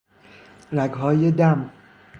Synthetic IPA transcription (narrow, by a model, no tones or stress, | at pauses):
ɾæɡɦɒːjed̪æm